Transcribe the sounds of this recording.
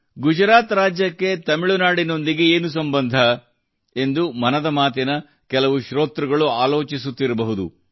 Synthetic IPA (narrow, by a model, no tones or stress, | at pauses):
ɡud͡ʒɾaːt̪ɾaːd͡ʒjɐkːe̞t̪ɐmiɭunaːɽino̞nd̪iɡe̞eːnus̬ɐmbɐnd̪ʱɐ | e̞nd̪umɐnɐd̪ɐmaːt̪̬inɐ | kɛlɐʋuʃɾoːt̪ɾuɡɐɭuaːlo̞ːt͡ʃisut̪ːiɾɐbɐɦud̪ṵ